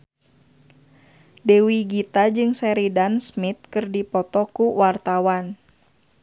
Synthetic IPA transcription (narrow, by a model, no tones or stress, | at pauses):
dewiɡit̪ad͡ʒɨŋsɛɾidansmit̪̚kɨrdipɔt̪ɔkuwart̪awan